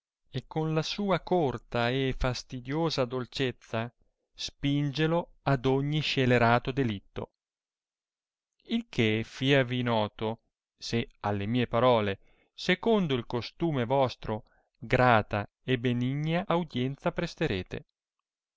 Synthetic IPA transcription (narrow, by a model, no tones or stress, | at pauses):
ekːonlasuːakort̪aefast̪id̪joːzad̪olt͡ʃet̪sːa | spind͡ʒelo | ad̪oɲːiʃeleɾaːt̪od̪elit̪ːo̰ | ilkʰefiːavinɔːt̪o | sealːemiːepaɾɔːle | sekond̪oilkost̪uːmevɔst̪ɾo | ɡɾaːt̪a | ebːeniɲːaʔːwd̪jɛnt̪sapɾest̪eɾeːt̪ḛ